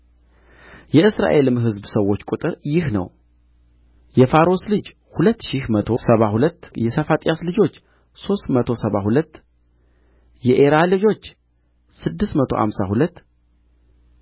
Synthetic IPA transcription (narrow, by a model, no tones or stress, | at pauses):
jɛɨsɾa̰ʔe̞lɨmɦɨzbsəwːo̞t͡ʃːkʼut̪ʼɨɾjɪhnə̰w | jɛfaɾo̞slɨd͡ʒ | hulət̪ːʃihmət̪ʰo̞səβahulət̪ːjɛsəfat̪ʼijaslɨd͡ʒo̞t͡ʃː | so̞st̪mət̪ʰo̞səβaɦulət̪ː | jɛʔeɾalɨd͡ʒo̞t͡ʃː | sɨd̪ːɨst̪mət̪ʰo̞̰ha̰msa̰hulət̪ː